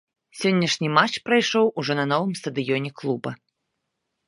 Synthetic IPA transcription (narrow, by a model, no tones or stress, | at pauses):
sʲɔnʲːɐʂnʲimat͡ʂpɾajʂɔwuʐɔnɐnɔvɨmst̪ɐd̪ɨjɔnʲɛklˠubɐ̰